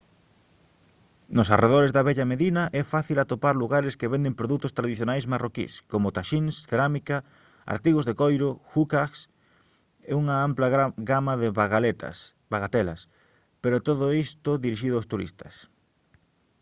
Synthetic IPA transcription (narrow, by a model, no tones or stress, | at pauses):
nʊsareð̞oɾezðɐβɛʎameðinɐʔɛfaθilat̪opaɾluɣaɾeskeβend̪empɾoðut̪ʊst̪ɾaðiθjonajsmarokḭskomʊt̪aʃinsθeɾamika | a̰ɾt̪iɣozðekojɾoxukaks | euŋɐamplɐɡamaðɪɣt̪s | baɣat̪ɛlɐ̰s | peɾʊt̪oðʊist̪ʊðiɾiʃiðʊost̪uɾḭst̪ɐ̥̰s